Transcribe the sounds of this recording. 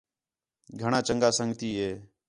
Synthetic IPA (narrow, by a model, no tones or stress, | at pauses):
ɡʱəɽ̃aːt͡ʃə̃ŋɡaːsə̃ŋɡt̪iːɦeː